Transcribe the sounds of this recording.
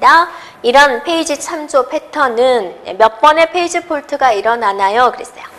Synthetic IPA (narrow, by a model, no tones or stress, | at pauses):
da | iɾʌnpʰe̞id͡ʑit͡ɕʰamd͡ʑopʰe̞tʰʌnɯnḛmjʌp͈ʌne̞pʰe̞id͡ʑipʰoɭtʰɯɡaiɾʌnanajokɯɾes͈ʌjo